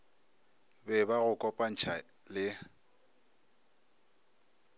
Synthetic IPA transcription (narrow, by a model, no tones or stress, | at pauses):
bɛbaɣʊkʼɔpʼan̩t͡ʃʰa | lɪ